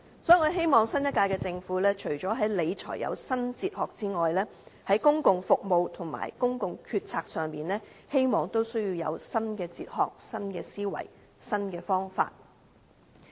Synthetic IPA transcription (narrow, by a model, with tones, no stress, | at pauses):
sɔ˨˥i˨kːɦe˥jmɔː˨ŋsɐ˥njɐ˥t̚kːaː˧jkɛː˧t͡sɪ˧ŋfuː˨˥lɛː˥t͡ʃʰɵ˨˩ɥt͡ʃɔː˨˥ɦɐ˨˥jle˨˧jt͡sʰɔ̰ː˨˩jɐ̰˨˧wsɐ˥nt͡siː˨t̚hɔː˨k̚t͡siː˥ŋɔː˨jlɛː˥hɐ˨˥jkʊ˥ŋkʊ˧ŋfʊ˨k̚mo˨wt̪ʰʊ˨˩ŋma̰ː˨˩jkʊ˥ŋkʊ˧ŋkʰyː˧t̚t͡sʰaː˧k̚sœː˨˧ŋpiː˨nlɛː˥he˥jmɔː˨˧ŋt̪o˥wsɵ˥ɥjiː˧wjɐ̰˨˧wsɐ˥nkɛː˧t͡sḭː˧t̚hɔː˨˧k̚sɐ˥nkɛː˧siː˥wɐ̰˨˩j | sɐ˥nkɛː˧fɔː˥ŋfa̰ː˧t̚